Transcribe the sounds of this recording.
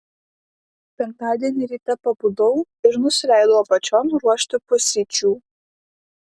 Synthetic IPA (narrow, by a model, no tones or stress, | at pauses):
pʲɛŋk̚t̪ɑːd̪ʲiɛnʲɪɾʲiːt̪ɐpɐbuːd̪ɐʊ | ɪɾnʊsʲɪlʲæˑɪd̪oʋoːpɐt͡ʃʲɔːmɾuɔʃʲt̪ʲɪpʊsʲit͡ʃʲuː